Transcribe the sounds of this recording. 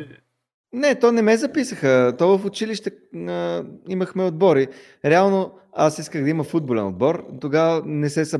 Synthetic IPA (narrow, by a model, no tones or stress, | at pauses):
nɛt̪ɔnɛmɛzɐpisəxət̪ɔvəfʊt͡ʃiliʃt̪ɛəiməxmɛod̪̚bɔɾi | ɾɛalˠno | asiskəɣd̪ɐiməfud̪̚bolɛnod̪̚bɔɾt̪oɡavənɛsɛsɐ